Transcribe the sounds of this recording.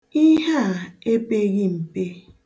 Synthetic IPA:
i˦ɦa˦˨e˦pe˦ɣi˦m̩˨pe˦

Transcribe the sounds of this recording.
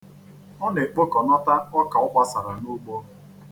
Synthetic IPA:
ɔ˦ne˨k͡po˦kɔ˨nɔ˦ta˦ɔ˦ka˨ʊ˦k͡pa˦sa˨ɾa˨nu˦ɡ͡bo˦

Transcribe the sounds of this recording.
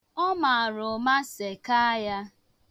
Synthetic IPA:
ɔ˦ma˨a˨ɾʊ˨ma˦se˨ka˦ja˦

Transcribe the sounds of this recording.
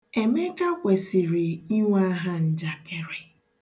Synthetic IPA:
e˨me˦ka˦kʷe˨si˨ɾi˨i˦ŋʷa˦ɦa˦n̩˦d͡ʒa˨ke˦ɾe˨

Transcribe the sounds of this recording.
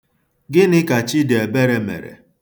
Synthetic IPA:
ɡɪ˦nɪ˦ka˨t͡ʃi˦de˨be˦ɾe˨mḛ˨ɾḛ˨

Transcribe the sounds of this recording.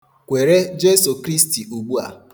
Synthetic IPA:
kʷe˨ɾe˦d͡ʒe˦su˨kɾi˦sti˨u˨ɡ͡bu˦a̰˨

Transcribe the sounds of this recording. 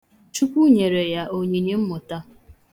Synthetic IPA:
t͡ʃu˦kʷu˦ɲe˨ɾe˨ja˦ʔo˨ɲe˨ni˦m̩˦mʊ˨ta˦

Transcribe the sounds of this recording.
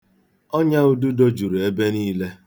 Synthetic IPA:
ɔ˦ɲa˦u˦du˦do˦d͡ʒu˨ɾe˦be˦niː˦le˦

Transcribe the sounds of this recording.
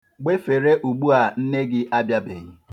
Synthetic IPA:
ɡ͡be˦fe˨ɾe˦ʔu˨ɡ͡bu˦a˨n̩˦ne˦ɡɪ˦ʔa˦bja˦be˨i˦

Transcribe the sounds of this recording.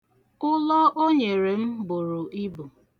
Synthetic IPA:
ʊ˦lɔ˦ʔo˦ɲe˨ɾe˨m̩˦bʊ˨ɾʊ˨ʔi˦bu˨

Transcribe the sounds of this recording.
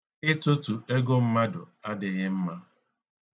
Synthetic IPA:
ɪ˦tʊ˦tu˨e˦ɡo˦m̩˦ma˦dʊ̰˨a˦dɪ˨ɣɪ˦m̩˦ma˦

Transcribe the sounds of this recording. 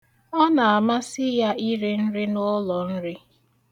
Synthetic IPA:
ɔ˦na˨a˨ma˦sɪ˦ja˦ʔi˦ɾe˦n̩˦ɾɪ˦nʊ˦lɔ˨n̩˦ɾɪ˦

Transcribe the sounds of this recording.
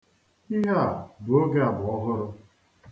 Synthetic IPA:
i˦ɦa˦˨bʊ˨o˦ɡe˦a˨bʊ˨ɔ˦ɦʊ˦ɾʊ˦

